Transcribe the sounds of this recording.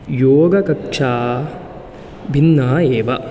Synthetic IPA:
joːɡɐkɐkʂaː | bʱinːaːeːʋɐ

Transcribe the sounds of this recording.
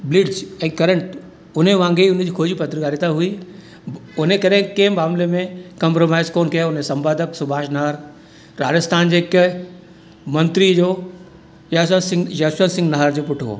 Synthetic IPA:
blɪɖd͡ʑɛ̃ːkɐɾə̃ɳʈ | ʊn̤eʋãːŋɡeiʊn̤̆d͡ʑiːkʰoːd͡ʑipɐt̪ɾɡaːɾit̪aɦui | ʊnekɐɾẽɪ̃kẽɦɪ̃maːmlemẽkɐ̃mpɾomaːɪzkoːnkijaʊnesɐ̃mbaːd̪ʱəksʊbʱaːʃnɐɦəɾ | ɾaːd͡ʑəst̪ʰaːnd͡ʑeːk | mɐ̃nt̪ɾid͡ʑoː | jasəsɪ̃ŋjɐsənsɪ̃ŋɡnɐɦəɾd͡ʑoːpʊʈʰo̰ː

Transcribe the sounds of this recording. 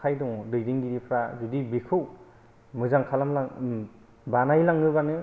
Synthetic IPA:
kʰajdɔŋdɯjdiŋɡidipʰɾazudibikʰɯw | mɯzaŋkʰalamla | banajlaŋɯbanɯ

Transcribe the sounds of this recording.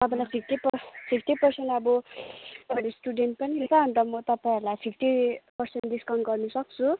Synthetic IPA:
t̪ʌpãĩlajpʰik̚ʈipʌpʰikʰʈ̪ipʌrsenʈʌbʌt̪ʌpãĩlesʈuɖenʈ̚pʌniɦilt͡sʰʌɦʌnt̪ʌmʌt̪ʌpãĩɾulajpʰikʰʈ̪ipʌrsenʈdiskʌnɡʌrnusʌk̚t͡sʰu

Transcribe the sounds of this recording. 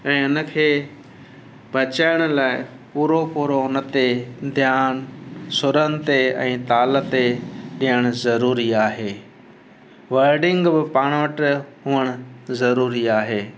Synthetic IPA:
ɛ̃ːɪnə̆kʰeː | bʱɐt͡ɕaːɪɽ̃ʊ̆laːɪ | puːɾopuɾoʊnə̆t̪ed̪ʱjaːnsʊɾənɪ̆t̪eɛ̰̃ːt̪aːlət̪eɗĩjəɽ̃ʊzɐɾuːɾiaːɦeː | ʋɐɾɖɪ̃ŋɡbɪpaːɽ̃ʋəʈɦʊəɽ̃ʊzɐɾuːɾiaːɦeː

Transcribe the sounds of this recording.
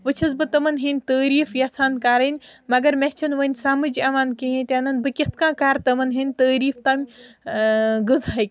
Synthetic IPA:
ʋɨt͡ʃʰɐzbɨt̪ɐmɐnɦinʲt̪əːɾiːfjat͡sʰaːnkaːɾɐnʲmɐɡɐɾmet͡ʃʰɐnʋənʲsaːmɨd͡ʒɐʋaːnkijẽt̪ʲanɐnbɨkʲet̪̚ʰkãːkaːɾt̪ɐmɐnɦinʲt̪əːɾiːft̪ɐmʲ | ɡɨzajkʲ

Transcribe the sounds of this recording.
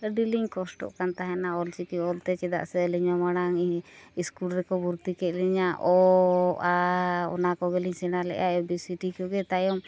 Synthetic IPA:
ləɖiliŋkɔsʈɔ̰ʔkant̪aɦɛnaɔlt͡ʃikiɔlt̪ɛt͡ʃɛd̪a̰ʔsɛliɲɔmaɽaŋiiskulɾɛkɔbuɾt̪ikɛʔ̪̚liɲaʔɔ | aɔ̰nakɔɡɛliɲsɛnalɛ̰ʔaɔbisiʈikɔɡɛt̪ajɔm

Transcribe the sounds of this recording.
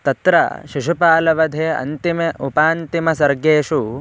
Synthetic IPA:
t̪ɐt̪ɾɐ̰ʃiʃupaːlɐʋɐd̪ʱeːɐ̰nt̪imeʔupaːnt̪imɐsɐɾɡeːʃu

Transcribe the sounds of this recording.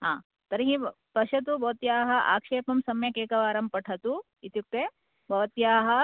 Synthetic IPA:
ɦãː | t̪ɐɾɦĩ | pɐʃɐt̪̬ubʱɐʋɐt̪jaːɦɐ̆ʔa̰ːkʂeːpɐmsɐmjɐkeːkɐʋaːɾɐmpɐʈʰɐt̪u | it̪juk̚t̪e | bʱɐʋɐt̪jaːɦɐ

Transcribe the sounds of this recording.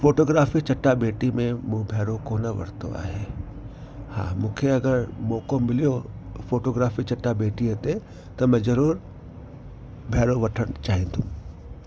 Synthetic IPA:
foːʈoːɡɾaːfit͡ɕɐʈːabeːʈimẽmũːbʱɛːɾokoːnəʋɐ̰ɽt̪o̰a̰ːɦeː | ha̰ːmũːkʰeɐɡəɾmoːkommɪlijofoːʈoːɡɾaːfit͡ɕɐʈːabeːʈiɐt̪e | t̪ɐmɛ̃ːzɐɾuːɾ | bʱɛːɾoʋɐʈʰəɽ̃ʊt͡ɕaːɦĩnd̪ʱũː

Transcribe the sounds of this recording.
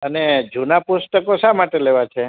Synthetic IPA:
əned͡ʒunapust̪əkosamaʈeleʋat͡ʃʰe

